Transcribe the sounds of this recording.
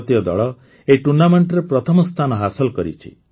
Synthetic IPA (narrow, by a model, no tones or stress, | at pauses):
t̪jɔd̪ɔ̰ɭɔ | eʈunameɳʈɾepɾɔt̪ʰɔmɔst̪ʰanɔɦasɔlkɔɾḭt͡ʃʰḭ